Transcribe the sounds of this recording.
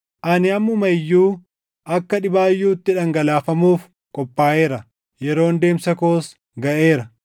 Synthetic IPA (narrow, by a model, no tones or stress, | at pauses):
ʔɐnɪɐmːʊmɐjːuː | ʔɐkːɐᶑɪbaːjːuːt̪ːɪᶑɐŋɡɐlaːfɐmuːf | kʼɔpːaːʔe̞ːɾɐ | jɛɾo̞ːnd̪e̞ːmsɐko̞ːs | ɡɐʔe̞ːɾɐ